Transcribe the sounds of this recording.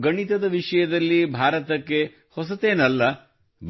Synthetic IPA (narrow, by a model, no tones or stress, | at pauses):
ɡɐɳit̪ɐd̪ɐʋiʂɐjɐd̪ɐlːibʱaːɾɐt̪ɐkːe̞ | hɔsɐt̪eːnɐlːɐ | b